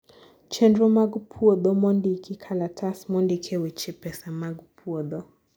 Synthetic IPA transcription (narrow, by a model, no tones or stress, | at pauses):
t͡ʃɛndɾɔmaɡupʰuɔd̪ɔmɔndikikʰalatʰasmɔndikʰɛwit͡ʃɛpɛsamaɡupʰuɔd̪ɔ